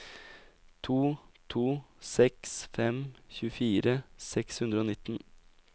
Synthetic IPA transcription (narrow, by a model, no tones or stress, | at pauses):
t̪ʰuːt̪ʰuːsɛksfɛmçʉːəfiːɾəsɛkshʉnd̪ɾəoːnɪt̪ːn